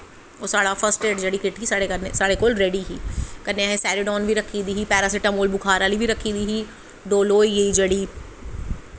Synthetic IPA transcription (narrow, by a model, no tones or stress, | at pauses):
osaːɽapʰəɾsʈeːʈd͡ʒɐɽikɪʈkisaːɽekɐɾnesaːɽekoːlɾɛːɖiɦiːkɐɾneaːɦẽsɛːɾɪɖɔːnbʱiɾɐkʰːid̪iːɦipɛːɾaseʈɐmoːlbʊkʰaːɾaːlibʱiɾɐkʰːid̪iːɦi | ɖoːloːijeid͡ʒɐɽi